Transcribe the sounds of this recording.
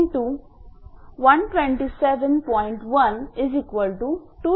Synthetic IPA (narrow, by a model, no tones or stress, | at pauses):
ʈu | ʋɐ̃nʈʋẽɳʈiseʋɛ̃npɔːɪ̃ɳʈʋɐ̃nɪzikʋəlʈuʈuː